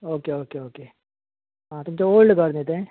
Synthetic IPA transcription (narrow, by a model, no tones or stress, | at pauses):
oːkeoːkeoːkeː | ɦãːt̪ʊmt͡ʃeoːlɖɡɐɾneːt̪eɦɛ̃ː